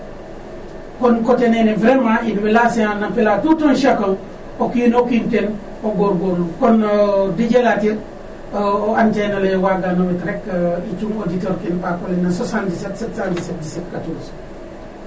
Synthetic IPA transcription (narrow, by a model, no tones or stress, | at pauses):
konkotenenivɾemãinbelaseanapelaːtutonʃakol | okinokinten | oɡoɾɡonukondiɟelatiɾ | ooant͡ʃejnalɐjowaɡanomitɾekit͡ʃuŋoditoɾkinpakolenasosandisetsetsandiset̚disetkatoɾs